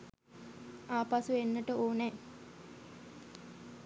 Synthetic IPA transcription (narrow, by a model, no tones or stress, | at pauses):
aːpasuenːəʈəoːnɛ